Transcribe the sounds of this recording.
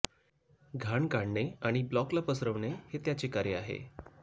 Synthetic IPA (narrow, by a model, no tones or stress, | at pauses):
ɡʱaɳɡaɳɳeaɽ̃iblɔklapəsɾəʋɳehet̪jat͡sekaɾjəaɦḛ